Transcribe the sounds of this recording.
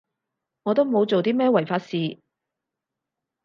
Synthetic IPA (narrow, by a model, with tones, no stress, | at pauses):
ŋɔː˨˧t̪o˥wmo˨˧wt͡so˨wt̪iː˥mɛː˥wɐ˨˩jfaː˧t̚siː˨˧